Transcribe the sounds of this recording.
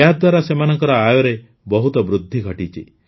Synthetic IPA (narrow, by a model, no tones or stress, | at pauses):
ɦad̪waɾasemanɔŋkɔɾɔajɔɾe | bɔɦut̪ɔbɾud̪ʱːiɡʱɔʈit͡ʃʰi